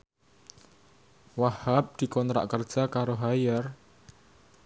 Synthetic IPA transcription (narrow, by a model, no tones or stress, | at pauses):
wahap̚d̪̥i̤kɔnt̪ɾa̰ʔkərd̥ʒ̥a̤kaɾoɦajər